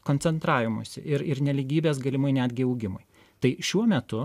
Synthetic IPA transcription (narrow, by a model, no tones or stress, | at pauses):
koːnʲtt͡s̪ʲɛnt̪ɾɑːʋʲɪmṵsʲɪ̰ʔɪɾɪɾnʲɛlʲiɡʲiːbʲeːsɡɐlʲɪmʊɪnʲæːd̪ʲɡʲɪɐʊɡʲɪmʊɪ | t̪ɐɪʃʲuɔmʲɛt̪ʊ